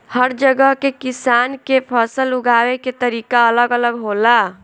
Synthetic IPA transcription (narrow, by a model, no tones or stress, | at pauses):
həɾd͡ʒəɡəɦkekisankepʰəsəluɡaweket̪əɾikaələɡələɡɦola